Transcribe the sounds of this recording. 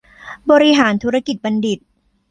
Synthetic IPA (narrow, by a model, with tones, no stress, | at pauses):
bɔː˧ɾi˧ɦaː˩˦nt̪ʰuː˦˥ɾa˧ki˨˩t̪̚ba˧ndi˨˩t̪̚